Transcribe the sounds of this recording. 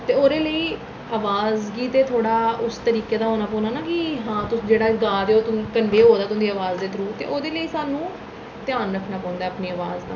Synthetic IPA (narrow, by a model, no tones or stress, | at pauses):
t̪eːoːɾeːləiː | aːʋaːzɡiːt̪eːt̪ʰoːɽaːʊst̪əɾiːkeːd̪aːɦoːnaːpɔːnaːnaːkɪiɦãːt̪ʊd͡ʒeːɽaːɡaːd̪eːot̪ʊkənɖeːɦoːd̪aːt̪ʊ̃nd̪iːəʋaːzd̪eːt̪ɾuːt̪ḛːʔoːd̪eːləiːsaːnũː | t̪ɪjaːnɾəkʰnaːpãːʊ̃nd̪aɛapniːəʋaːzd̪a̰ː